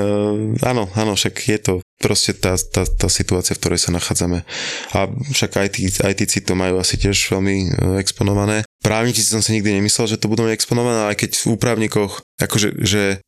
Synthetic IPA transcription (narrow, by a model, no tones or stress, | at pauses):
a̰nɔanɔfʃakjɛt̪ɔpɾɔscɛt̪aːt̪aːt̪aːsit̪uaːt͡siafkt̪ɔɾɛjsanaxaːd͡zamɛafʃaɡajt̪ia̰jt̪it͡sit̪ɔmajuːasicɪɛʒʋɛlmiɛkspɔnɔʋanɛːpɾʔaːʊɲit͡sit͡si̥sɔmsiɲiɡ̚d̪iɲɛmislɛlʒɛt̪ɔbud̪ɛmaɟɛkspɔnɔʋanɛːajkɛɟvuːpɾaʊɲikɔxa̰kɔʒɛ̰ʒɛ